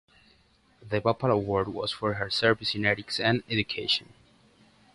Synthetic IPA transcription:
ðəpapələwɔɹd̚wɔ̰z̥fɔɹɦə˞sɛɹvisɪ̃nɛɾiksæ̃nɛd͡ʒukʰeʃɔ̃n

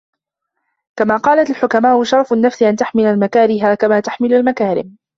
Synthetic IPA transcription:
kamaːqɑːlat̪alħʊkamaːʔʊʃɑɾˤfʊnːafsʔant̪aħmɪlalmakaːɾɪɦaːkamaːt̪aħmɪlalmakaːɾɪ̰m

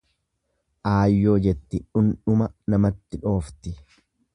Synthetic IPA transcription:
ʔaːjːo̞ːd͡ʒɛt̪ːɪᶑʊnᶑʊmɐnɐmɐt̪ːɪᶑo̞ːft̪ɪ

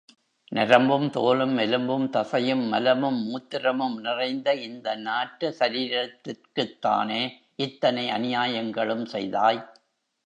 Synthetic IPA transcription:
nɪɾɐmbɯmt̪oːlɯmːɛlɯmbɯmt̪ɐsɐjɯmːɐlɐmɯmːuːt̪ːɪrɐmɯmnɪrɐɪnd̪ɐɪnd̪ɐnaːʈːɯsɐɾiːɾɐt̪ːɪrkɯt̪ːa̰ːneː | ʔɪt̪ːɐnɐɪɐnɪjaːjɐŋɡɐɭɯmsɛjðaːj

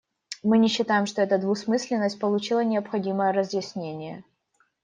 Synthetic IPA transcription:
mɨnʲɪɕːɪt̪ajɪmʂt̪oɛt̪əd̪vʊsmɨsʲlʲɪnːəsʲt̚ʲpəlˠʊt͡ɕilˠənʲɪɐpxɐdʲiməjəɾəzjɪsʲnʲenʲɪjə

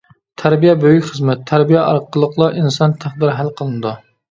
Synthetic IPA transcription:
t̪ʰæɾbijɛbøjykʲχəzmɛt̪ʰːæɾbijɛʔɑ̰ɾqːəlˠːəqlˠɑʔinsɑnt̪ʰæχd̪ɪɾɦælqʰəlˠɨnɨd̪u

